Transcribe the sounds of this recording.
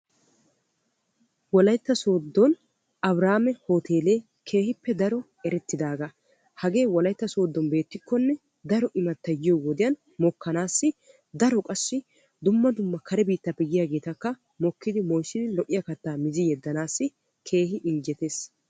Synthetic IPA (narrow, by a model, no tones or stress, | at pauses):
wɔlɐjt̪ːɐso̞ːd̪ːɔn | ʔɐbɾaːmɛho̞ːt̪ʰe̞ːle̞ː | kʰe̞ːhɪpːɛd̪ɐɾɔ | ɛɾɛt̪ːɪd̪aːɡa | hɐɡe̞ːwɔlɐjt̪ːɐso̞ːd̪ːɔnbe̞ːt̪ːɪkːɔnːɛ | d̪ɐɾɔʔɪmɐt̪ːɐjɪjɔwɔd̪ɪjɐn | mɔkːɐnaːsːɪ | d̪ɐɾɔkʼɐsːɪ | d̪ʊmːɐd̪ʊmːɐkʰɐɾɛbiːt̪ːɐpɪɡɪjaːɡe̞ːt̪ɐkːɐ | mɔkːɪd̪ɪmɔjsːɪd̪ɪlɔʔɪjɐkɐt̪ːaːmɪzɪjɛd̪ːɐnaːsːɪ | kʰe̞ːhɪʔɪnd͡ʒɛt̪e̞ːs